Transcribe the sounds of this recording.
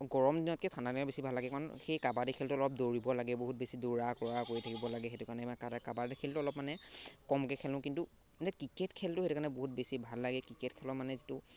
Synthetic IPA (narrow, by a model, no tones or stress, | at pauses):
ɡɔɹɔmdinɔt̚kɛtʰanatiɔbesibʱalːaɡɛkɔnxejkabadikʰɛltʊɔlɔp̚doɹibɔlaɡɛboɦut̚besiduɹakɔɹakoɹitʰakibɔlaɡɛxetʊkanɛkadakabadikʰeltʊɔlɔp̚manɛkɔmkɛkʰɛlʊ̃kintu | tɛkɹiketkʰɛltʊhetukaɹnɛboɦut̚besibʱalːaɡɛkɹiketkʰɛlɔmanɛzitʊ